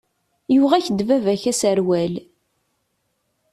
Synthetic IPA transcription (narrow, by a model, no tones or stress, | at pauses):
juʁæçəd̪vævæçæsəɾwæl